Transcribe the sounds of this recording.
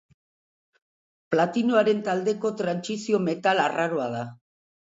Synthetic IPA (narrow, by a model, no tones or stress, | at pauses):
plat̪inoaɾe̞nt̪ald̪e̞ko̞t̪ɾansisio̞me̞t̪alaraɾoað̞a